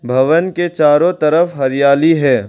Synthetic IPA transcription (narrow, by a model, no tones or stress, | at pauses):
bʱɐʋənket͡ʃaːɾõt̪ɐɾəfɦɐɾjaːliɦɛː